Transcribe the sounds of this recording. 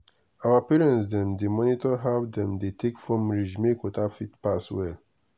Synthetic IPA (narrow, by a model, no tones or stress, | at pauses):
awapiɹɛ̃nsdɛ̃mdemɔ̃nitɔɦavdɛ̃mdetʰekfɹɔ̃mɹid͡ʒmekotafitpaswɛl